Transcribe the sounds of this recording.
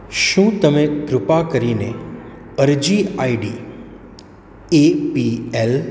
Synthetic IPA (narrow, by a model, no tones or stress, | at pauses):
ʃũt̪əmeɡɾʊpakəɾine | əɾd͡ʒiaiɖi | epiel